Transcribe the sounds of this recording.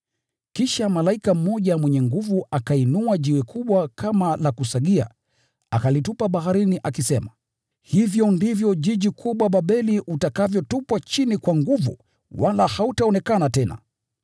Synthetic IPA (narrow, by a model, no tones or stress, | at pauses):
kiʃamalaikam̩mːɔʄamwɛɲɛŋɡuvuʔakainuaʄiwɛkʰuɓwakamalakusaɠia̰ | akalitupaɓaɦaɾiniʔakisɛma | hivjɔndivjɔʄiʄikʰuɓwaɓaɓɛliʔutakavjɔtupwat͡ʃinikwaŋɡuvṵ | walahautaɔnɛkanatɛna̰